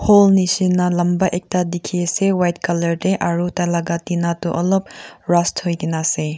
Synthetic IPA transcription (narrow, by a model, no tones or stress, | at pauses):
holnisinɐlɐmbɐʔek̚tadikʰisewajtkɐlɐɾdeʔaɾutalaɡatinatuʔɐlop̚ɾasthojkinase